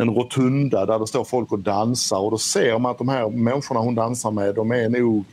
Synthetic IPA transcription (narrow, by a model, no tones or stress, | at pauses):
ɛnɾʊt̪ʰɵnd̪ad̪æɖɛst̪oːɾfɔlkɔd̪ansaɾɔd̪ɔseːɾmanat̪̚d̪ɔmhæːɾmɛnɧʊɳahʊnd̪ansaɾmɛd̪ɔmæɾnuːɡ